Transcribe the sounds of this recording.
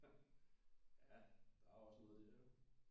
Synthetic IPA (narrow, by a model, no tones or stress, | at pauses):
jæd̥ɑ̈æɒ̽snɔ̽ːð̩ˠid̥e